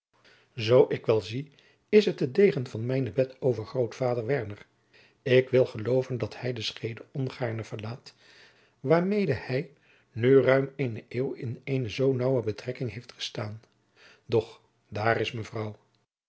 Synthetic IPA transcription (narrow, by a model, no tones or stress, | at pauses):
zowʔɪkʋɛlˠzi | ɪsɦətədejχənvɑnmɛjnəbɛtʰowvəɹχrowtfaːdəɹʋɛɹnər | ɪkʋɪlˠχəlowvəndɑthɛjdəsχejdəɔnχaːɹnəv̥əɹlaːt | ʋaːɹmejdəhɛj | nyrœɥmenəʔeːwɪnejnəzownɑwəbətrɛkɪŋɦejftχə̥staːn | dɔχ | daːrɪsməvrɑw